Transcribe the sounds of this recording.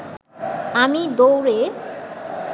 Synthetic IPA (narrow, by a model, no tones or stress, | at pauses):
amid̪owɾe